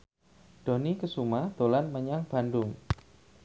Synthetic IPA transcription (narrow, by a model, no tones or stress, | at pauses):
d̥o̤nikəsumahd̪̥olanməɲaŋb̥a̤ndʊŋ